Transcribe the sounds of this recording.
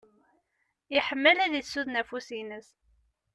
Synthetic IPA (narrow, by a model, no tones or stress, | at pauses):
iħəmːəlæðisːuðnæfusinəs